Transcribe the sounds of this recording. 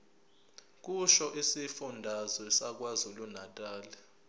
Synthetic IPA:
k̬ʼuʃɔʔisifundʱazwɛsak̬wazulunatʼaːlɛ

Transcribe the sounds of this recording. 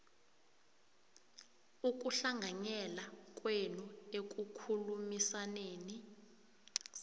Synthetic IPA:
uk̬ʼuɬaŋʱaɲɛlak̬ʼwenuek̬ʼukʰulumisaneːni

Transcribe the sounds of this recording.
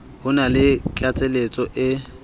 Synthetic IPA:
hʊnalɪt͡ɬʼat͡sʼelet͡sʼɔʔɪ

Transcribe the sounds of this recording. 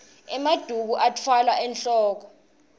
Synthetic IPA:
ɛmad̥ʱuk̬uʔatʰwalwaʔɛnɬʼɔːk̬ɔ

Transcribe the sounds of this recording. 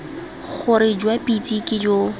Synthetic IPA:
χʊɾɪd͡ʒwapʼitʼikʼɪd͡ʒo

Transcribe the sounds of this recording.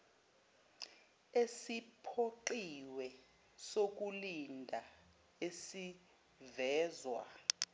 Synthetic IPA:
esipʰoǃiwɛ | sok̬ulindʱa | esi | vɛːzwa̰

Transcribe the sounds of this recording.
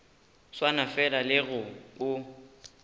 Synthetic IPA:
swanafɛlalɪɣʊʊ

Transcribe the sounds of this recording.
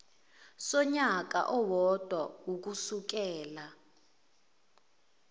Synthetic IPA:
sɔɲak̬a̰ʔɔwɔd̥ʱwawuk̬usuk̬ɛːla

